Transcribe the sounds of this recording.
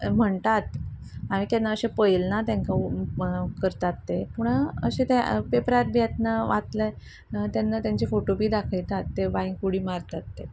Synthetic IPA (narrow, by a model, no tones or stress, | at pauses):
m̤əɳt̪at̪ | amit̪janːaəɕepəjlnat̪jãŋka | kəɾt̪at̪ːepuɳəɕẽt̪epepɾat̪̚bjat̪naʋat̪le | t̪janːat̪jaɲt͡ɕifoʈopiːd̪akʰəjt̪at̪ːebaiŋkuɽiːmaɾt̪at̪ːe